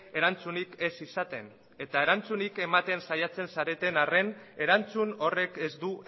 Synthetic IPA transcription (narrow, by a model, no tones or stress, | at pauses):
e̞ɾant͡sunike̞sisat̪e̞n | e̞t̪ae̞ɾant͡sunike̞mat̪e̞nsajat͡se̞nsaɾe̞t̪e̞nare̞ne̞ɾant͡suno̞re̞ke̞zd̪u